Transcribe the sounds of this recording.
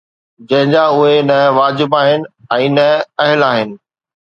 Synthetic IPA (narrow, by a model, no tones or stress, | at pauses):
d͡ʑɐ̃ɦɪ̃ɲd͡ʑaːʊɦenɐʋaːd͡ʑɪbaːɦɪnɪ̆ɛ̃ːnɐɐɦɪlaːɦɪnɪ̆